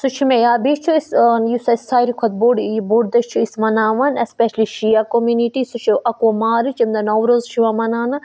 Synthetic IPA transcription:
sut͡ʃʰimẽjaːbiʃt͡ʃʰuisjisɐsaːɾikʰɐt̪̚boɖboːɖd̪ɐʃt͡ʃʰuismɐnaːʋɐnespeʃliʃijakomjuniʈisut͡ʃʰiʔɐkomaːɾɨt͡ʃɐmd̪ɐnoʋɾoːzt͡ʃʰiʋamɐnaːnɐ

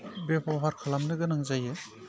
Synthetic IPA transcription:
bepʰɔɦaɾkʰalamnɯɡɯnaŋzajɯ

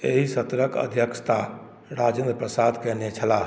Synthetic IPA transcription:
ḛɦisət̪ɾəkə̰d̪ʱjəkst̪a | ɾad͡ʒend̪ɾpɾəsad̪kɛnet͡ʃʰəla

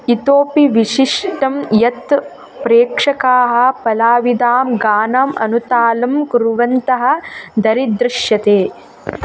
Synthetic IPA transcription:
it̪oːpiʋiʃiʂʈɐmjɐt̪ | pɾeːkʂɐkaːɦɐ̆pɐlaːʋid̪aːmɡaːnaːmɐ̰nut̪aːlɐmkuɾuʋɐnt̪ɐɦɐ̆d̪ɐɾid̪ɾɪʃjɐt̪eː

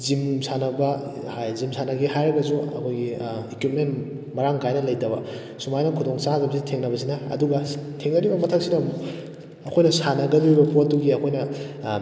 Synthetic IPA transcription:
zimsanɐbɐ | hajzimsʰanɐɡiɦajɾɐɡɐzuɐ̰kʰojɡiekwup̚ment | mɐɾaŋkajnɐlɐjtɐbɐ | sumajnɐkʰudoŋsaɡɐbsitʰeŋnɐbɐs̬inɐɐ̰duɡɐtʰeŋnɐɾibɐmɐtʰɐk̚sinɐ | ɐkʰojnɐsanɐɡɐmiɾibɐpotːuɡiɐkʰojnɐ

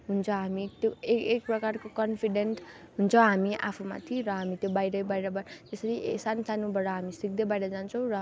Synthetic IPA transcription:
ɦunt͡sʰʌɦamit̪joekek̚prʌkarkokʌnpʰiɖenʈɦunt͡sʰʌɦamiʔa̰pʰuma̰t̪ʰiɾʌɦamit̪jobajɾʌjbajɾʌbʌt̪esʌɾiḛsansanubʌɽʌɦamisik̚d̪ʌbajɾʌd͡zant͡sʰʌ̃w̃rʌ

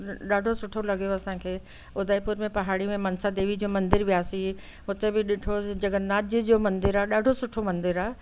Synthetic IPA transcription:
ɗaːɖʱosʊʈʰolɐɠijoɐsãkʰeː | ʊd̪ʱaːipuːɾmẽpɐɦaːɽimẽmɐnsad̪eːʋid͡ʑoːmɐ̃nd̪ɪɾʋijaːsi | ʊt̪ebɪɗɪʈʰod͡ʑɐɡənaːd͡ʑd͡ʑoːmɐ̃nd̪ɪɾaːɗaːɖʱosʊʈʰomɐ̃nd̪ɪɾaː

